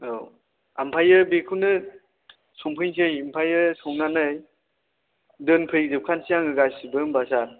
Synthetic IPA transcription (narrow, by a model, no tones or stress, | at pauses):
ow | ampʰajɯbekʰunɯ | sɔŋpʰɯnsɯjimpʰajɯsɔŋnanɯj | dɯnpʰɯjik̚zɯp̚kʰansijaŋɯɡajsibɯŋbasaɾ